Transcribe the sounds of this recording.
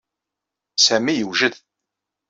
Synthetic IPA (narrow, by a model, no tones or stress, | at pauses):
sæmijəwʒəð